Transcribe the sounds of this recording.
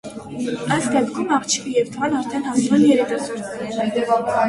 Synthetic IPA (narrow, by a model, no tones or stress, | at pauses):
ɑjsd̪ɛpʰkʰumɑʁt͡ʃʰi̥vijɛvd̪əʁɑnɑɾt̪ʰɛnhɑsnumɛnjɛɾɛkusɔɾ